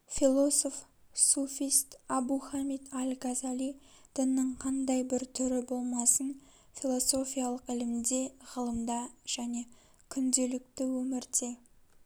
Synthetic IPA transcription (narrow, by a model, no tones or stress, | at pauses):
fʲilˠo̞so̞f | sofʲijst̪ɑbuχamit̪alʲɡazalʲi | d̪̥ənːəɴqʰɑnd̪ɑjbɪɾt̪ʰʏɾɪbo̞lˠmɑsən | filˠo̞so̞fʲijalˠəqɪlɪmd̪e̞ʁəlˠəmd̪ɑʒ̥æne̞ | kʲʰʏnd̪e̞lɪk̚t̪ɪwɵmɪɾt̪e̞